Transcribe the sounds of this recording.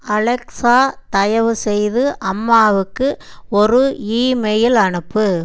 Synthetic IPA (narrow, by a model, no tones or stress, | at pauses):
ɐlɛksaːt̪ɐjɐʋɯsɛjðɯʔɐmːaːʋɯkːɯɔɾɯiːmɛjɪlɐɳɯpːɯ